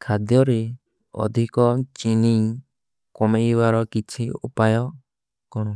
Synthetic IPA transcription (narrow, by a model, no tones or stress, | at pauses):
kʰad̪jɔɾe | ɔ̰d̪ʱikɔt͡ʃini | kɔmeibaɾɔkit͡ʃʰiṵpajɔ | kɔɽ̃ɔ